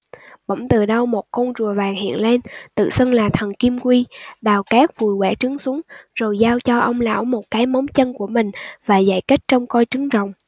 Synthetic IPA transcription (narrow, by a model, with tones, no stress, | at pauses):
ɓə̰˧˩wŋ͡mt̪ɨ˨˩ɗə˧wmo˨˩t̚ko˧nzu˨˩əvaː˨˩ŋhḭ˧˨ənle˧nt̪ɨ̰˧˨sə˧ŋlaː˨˩t̪ʰə˨˩nki˧mkwi˧ɗaː˨˩wkaː˦˥k̚vu˨˩jkwɛ˧˩t͡ɕɨ˨˦əŋsu˨˦əŋzo˨˩jzaː˧wt͡ɕɔ˧ʔə˧wŋ͡mla̰ː˧˥wmo˨˩t̚kaː˨˦jmə˨˦wŋ͡mt͡ɕə˧nku˧˩əmï˨˩ŋ̟vaː˨˩za̰ː˧˨jkə˦˥jt̚t͡ɕɔ˧wŋ͡mkɔ˧jt͡ɕɨ˨˦ŋzə̰˧˨wŋ͡m